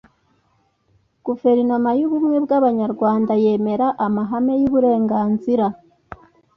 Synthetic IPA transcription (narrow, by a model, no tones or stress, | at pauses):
ɡ̥ufe̞ɾinomajuβumŋwe̞bɡaβaɲaɾɡwaːndaje̞ːme̞ɾaʔamaɦame̞juβuɾe̞ːŋɡaːnziɾa